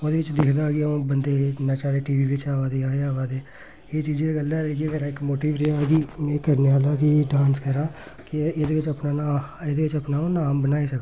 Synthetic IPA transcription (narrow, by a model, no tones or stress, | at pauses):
oːd̪eːɪt͡ʃd̪ɪkʰd̪aːɡiõːbənd̪eːnãːt͡ʃaːɾeːʈiːʋiːʋɪt͡ʃaːʋaːd̪eːaːeaːʋaːd̪eː | eːt͡ʃiːd͡ʒeːeɡəlɛːɾɡeːmeːɾaːɪkmoːʈiːʋɾeːaɡiːmɛ̃ːkəɾneːaːlaːkiɖãːnskəɾãː | kɪeːd̪eːʋɪt͡ʃəpnaːnaːeːd̪eːʋɪt͡ʃəpnaːõːnaːmbənaːiːsəkː